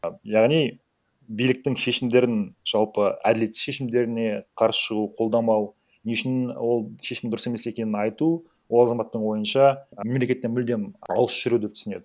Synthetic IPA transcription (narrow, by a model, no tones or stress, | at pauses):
jɑʁnij | bijlɪk̚t̪ɪŋʃe̞ʃɪmd̪e̞ɾɪnʒ̥ɑlˠpəæ̰d̪ɪle̞t̪ːɪ̥ʃeʃɪmd̪e̞ɾɪne̞qʰɑɾsə̥ʃəʁuqʰo̞lˠd̪ɑmɑw | neʃɪnwo̞lˠʃe̞ʃɪmd̪ʊɾəse̞me̞se̞kʲe̞nɪnɑjt̪u | wo̞lˠɑzɑmɑt̪ːəɴwo̞jənʃɑme̞mle̞kʲe̞t̪ːenmʏld̪emɑ̰lˠəsʃɪɾud̪e̞p̚t̪ʰʏsɪne̞̰d̪ɪ